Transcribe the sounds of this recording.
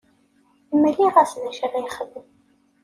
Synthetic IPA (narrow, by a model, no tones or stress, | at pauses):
mːəlːiʁæsnæʃərajχəðːəm